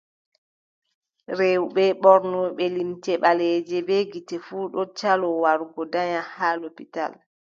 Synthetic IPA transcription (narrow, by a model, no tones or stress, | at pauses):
ɾewɓɛɓɔɾnɔɓɛlimtɛɓalɛːd͡ʒɛbeɡitɛfuːɗɔt͡ʃalɔwaɾɡɔdaɲahaːlopita̰l